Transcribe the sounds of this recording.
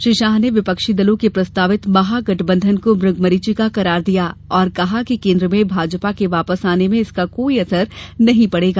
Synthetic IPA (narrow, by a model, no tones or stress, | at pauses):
ʃɾiːʃaːɦneʋɪpəkʃid̪ɐlõkepɾɐst̪aːʋɪt̪mɐɦaɡɐʈbə̃nd̪ʱənkomɾʊɡʱmɐɾit͡ʃikaqɐɾaːɾd̪ijaːɔːɾkɐɦakikẽːnd̪ɾəmẽbʱaːd͡ʒpakeʋaːpəsaːnemẽɪskakoːiɐsəɾnɐɦĩpɐɽeːɡaː